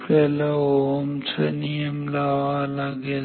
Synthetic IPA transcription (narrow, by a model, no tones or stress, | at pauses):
pelɐomt͡ʃʰɐnijəmlaːʋalaɡe